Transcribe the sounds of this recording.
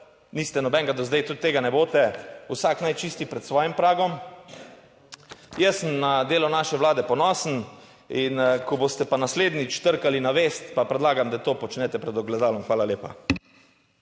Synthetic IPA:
niːst̪ɛnɔbɛŋɡad̪ɔzd̪ajt̪ut̪ːeːɡanɛboːt̪ɛusaknajt͡ʃiːst̪ipɾɛt̪sʋɔːjimpɾaːɡɔm | jɛsəmnad̪eːlɔnaːʃɛʋlaːd̪ɛpɔnɔːsən̩ | inkɔboːst̪ɛpanasleːd̪nit͡ʃt̪əɾkalinaʋeːst̪papɾɛd̪laːɡamd̪at̪oːpɔt͡ʃnɛt̪ɛpɾɛd̪ɔɡlɛd̪aːlɔmxʋaːlaljeːpa

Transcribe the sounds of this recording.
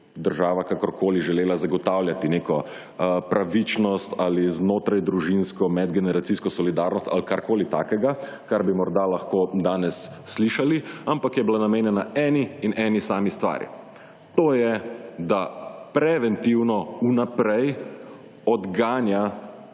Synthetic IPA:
d̪əɾʒaːʋakakɔɾkʰoːliʒɛleːlazaɡɔt̪awljat̪ineːkɔ | pɾʔaʋit͡ʃnɔst̪aliznoːt̪ɾajd̪ɾuʒinskɔmɛd̪ɡɛnɛɾat̪siːskɔsɔlid̪aɾnɔst̪a̰lkaɾkoːlit̪a̰ːkɛɡa | kaɾbimɔɾd̪alaxkoːd̪aːnɛsːliʃaliampakjɛbilanameːnjɛnaɛːniːnʔɛːnisaːmist̪ʋa̰ːɾḭ | t̪oːjɛd̪apɾɛʋɛnt̪iwnɔunapɾɛj | ɔd̪ɡaːnja

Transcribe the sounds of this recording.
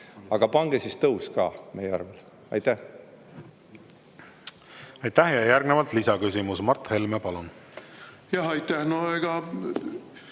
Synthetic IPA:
ɑɡ̥ɑpɑŋɡ̥esist̪ɤwskɑ̰ːmejeɑ̰rvel | ɑ̰jt̪ːæh | ɑjt̪ːæhjɑjærɡnevɑlt̪lisɑkysʲimusmɑrt̪ˑhe̞lmepɑlun | jɑhɑjt̪ːˑæhnoeɡ̥ɑ

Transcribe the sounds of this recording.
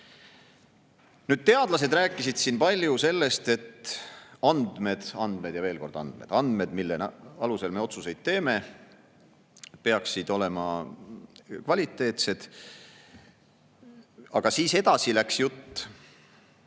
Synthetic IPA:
nyːd̥̪̚t̪e̞ɑd̪̥lɑse̞d̪ræːkːˑisid̪̥siːnpɑlʲjuse̞lːe̞st̪e̞t̪ː | ɑnd̪̥me̞d̪̥ɑnd̪̥me̞d̪̥jɑve̞ːlko̞̰rd̪̥ɑ̰nd̪̥me̞d̪̥ɑnd̪̥me̞d̪milːenɑluse̞lme̞o̞t̪suse̞jd̪̥̚t̪ːe̞ːme̞ | pe̞ɑksid̪̥o̞le̞mɑ | kvɑlʲit̪ːˑe̞ːt̪se̞d̪̥ | ɑɡ̥ɑsiːsed̪̥ɑsilæksjut̪ː

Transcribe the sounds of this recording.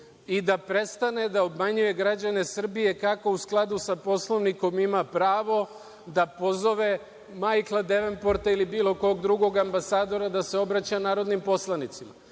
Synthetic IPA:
id̪apɾe̞st̪ane̞d̪aobmaɲuje̞ɡɾad͡ʑane̞sr̩bije̞kako̞usklˠad̪usapo̞slˠo̞ʋniko̞mimapɾaːʋo̞ | d̪apo̞zo̞ʋe̞ | majklˠad̪e̞ʋenpo̞ɾt̪ailibiːlo̞ko̞ɡd̪ɾuɡo̞ɡambasaːd̪o̞ɾad̪ase̞o̞bɾat͡ɕanaːɾo̞d̪nimpo̞slˠanit̪sima̰

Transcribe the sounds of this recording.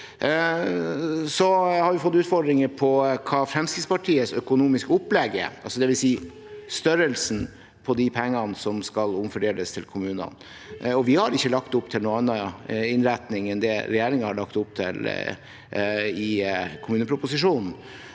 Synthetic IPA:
sɔhɑɾʋɪfɔt̪ːʉːt̪fɔɖɾɪŋəpʰɔkʰɑːfɾɛmskɾɪt̪spɑʈʰiːəsœkʊnuːmɪskʊpːlɛɡə̰ʔɑlsɔd̪ɛʋɪlsiː | st̪œɾəlsn̩ | pʰɔd̪ɪpʰɛŋːɑnsɔmskɑlʊmfœɖeːləst̪ʰɪlkʰʊmʉːnɑ̰n | ɔʋɪhɑɾɪçːəlɑkt̪ʊpt̪ʰɪlnuːɑnːɑɪnɾæt̪nɪŋɛnd̪ɛɾɛjeːɾɪŋəhɑɭɑkt̪ʊp̚ːt̪ʰɪ̰l | ɪkʰʊmʉːnəpʰɾʊpʊsɪʂuːnn̩

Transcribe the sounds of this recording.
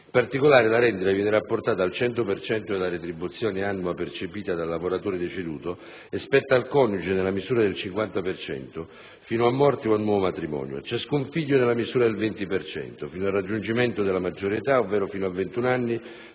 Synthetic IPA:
ipart̪ikolaːɾɪlaɾɛnd̪it̪avjɛːnɪɾapːʊrt̪aːt̪aːlt͡ʃɛnt̪opert͡ʃɛnt̪od̪elaɾet̪ɾibut̪sːjɔːnɪanːuapert͡ʃepiːt̪ad̪alːavoɾat̪oːɾɪd̪et͡ʃɪd̪uːt̪o | espɛt̪ːaːlkɔnud͡ʒɪnelːamizuːɾad̪elt͡ʃiŋkwant̪apert͡ʃɛ̰nt̪o | fiːnoamːɔrt̪eoalnːwɔːvomat̪ɾimɔ̰ːnjo̰t͡ʃaskuɱfiʎːʊnelːamizuːɾad̪elvɛnt̪ipert͡ʃɛ̰nt̪ofiːnoarːad͡ʒːund͡ʒimɛnt̪od̪ɪlamad͡ʒːoɾet̪aovːɛːɾofiːnoavːent̪unanːi

